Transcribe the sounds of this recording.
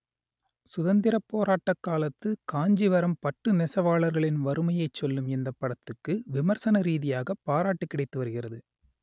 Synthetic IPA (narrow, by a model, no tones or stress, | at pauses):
sʊðɐnd̪ɪɾɐpːoːɾaːʈːɐkːaːlɐt̪ːɯkaːɲd͡ʒiʋɐɾɐmpɐʈːɯnɛsɐʋaːɭɐɾɣɐɭɪnʋɐɾɯmɐjɐɪt͡ʃːɔlːɯmɛnd̪ɐpːɐɽɐt̪ːɯkːɯʋɪmɐɾsɐnɐɾiːðɪjaːɣɐpːaːɾaːʈːɯkːɪɽɐɪt̪ːɯʋɐɾɯɣɪrɐðɯ